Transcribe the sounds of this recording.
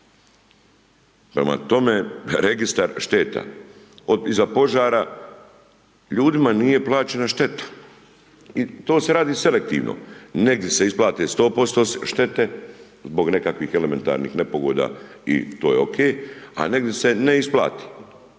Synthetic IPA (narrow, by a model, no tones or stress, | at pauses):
pɾema̰t̪o̞meɾeɡist̪aɾʃt̪e̞ːt̪a̰ | oizapo̞ʒaːɾa | ʎuːd̪imanije̞plˠaːt͡ʃe̞naʃt̪e̞t̪ḁ | it̪o̞ːse̞ɾaːd̪iːse̞le̞k̚t̪ḭːʋnʔo̰ne̞ɡ̚d̪je̞se̞isplaːt̪eːst̪o̞ːpo̞st̪oːʃt̪e̞t̪e̞ | zbo̞ɡne̞kakʋiːxe̞leme̞nt̪a̰ːɾnḭxne̞po̞ɡoːd̪a̰ːḭt̪oːjeo̞kʰeːja̰ne̞ɡd̪jese̞ne̞isplˠa̰ːt̪i̥ː